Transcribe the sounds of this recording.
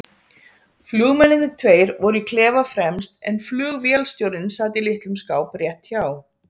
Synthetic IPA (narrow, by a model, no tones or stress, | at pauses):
flʏːɣmɛnɪðɪt̪ʰveːjɾvɔɾʏikʰlɛːvafɾɛmst̪ɛnflʏːɣvjɛlst̪jowɾðɪnsaːt̪ɪlɪht̪lʏmskaːwprjɛht̪çaːw